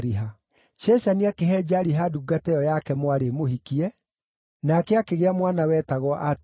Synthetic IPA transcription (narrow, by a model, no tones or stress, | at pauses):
ɾiɦa | t͡ʃɛsaniakeɦɛd͡ʒaɾiɦaduːɡatɛjɔjakɛmwaɾemohikiɛ | nakɛakeɣeamwanawɛtaɣwɔʔat